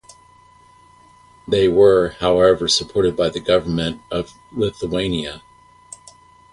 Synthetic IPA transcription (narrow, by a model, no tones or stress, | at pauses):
ðeɪwə˞haʊɛvə˞səpʰɔɹɾɨd̚baɪðɨɡʌvə˞mɨ̃ntʌv | lɪθəẽɪ̃niɨ